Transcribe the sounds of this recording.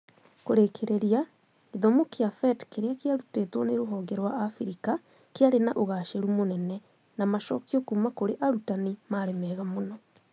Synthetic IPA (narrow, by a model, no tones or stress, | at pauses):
koɾekʰeɾʔeɾia | eðomokeafɛtkeɾeakeaɾuteːtwɔneɾoɦɔːŋɡɛɾwaːfiɾika | keaɾenaʔoɣaʃeɾumonɛnɛ | namaʃɔkiokumakoɾeʔaɾutanimaɾemɛɣamonɔ